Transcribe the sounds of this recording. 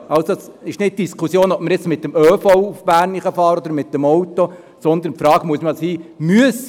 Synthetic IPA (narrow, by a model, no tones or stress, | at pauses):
ʔɑlsosɪʃnɪt̚d̥iskχusjoːnɔp̚məɾjɪt͡smɪt̪̚ːəmœːfɔʊufb̥æːɾniχəfɑːɾɔd̪əɾmɪt̚d̥ɛmɔwt̪o | sɔnd̪ənpfɾɑːɡ̥əmuəsməshiːmyəs